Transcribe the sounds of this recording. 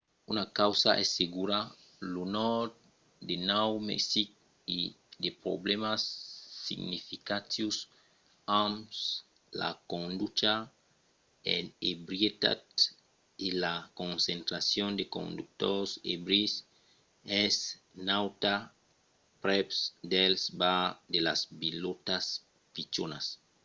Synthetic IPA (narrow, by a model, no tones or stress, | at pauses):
unakawsaʔɛseɡuɾa | lunɔɾt | d̪enawmḛksik̚ | i | d̪epɾo̰blemasːḭɡnifikat̪jus | ams | la̰kõnd̪ut͡ʃa | enebɾjet̪a̰t̪ | ilakõnsẽnt̪ɾasjond̪ekõ̰nd̪uk̚t̪oɾsḛbɾis | ɛs | nawt̪a | pɾɛpsd̪elsbad̪elasbilot̪as | pit͡ʃonas